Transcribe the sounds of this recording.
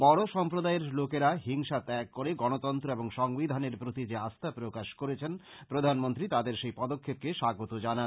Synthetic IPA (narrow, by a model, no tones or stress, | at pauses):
bɔɽoʃɔmpɾod̪aeɾlokeɾaɦiŋʃat̪ɛkːoɾeɡɔnot̪ɔnt̪ɾoeboŋʃɔŋbid̪ʱaneɾpɾot̪id͡ʑeast̪ʰapɾokaʃkoɾet͡ɕʰen | pɾod̪ʱanmont̪ɾit̪ad̪eɾʃejpɔd̪okʰːep̚keʃaɡot̪od͡ʑanan